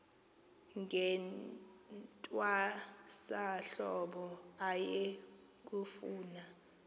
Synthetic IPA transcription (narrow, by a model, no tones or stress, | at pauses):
ŋʱɛn | tʼwasaɬɔɓɔaje | k̬ufuːna